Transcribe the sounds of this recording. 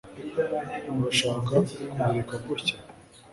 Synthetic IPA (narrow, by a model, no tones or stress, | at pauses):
maʃaːkakumiːkakuɾcḁ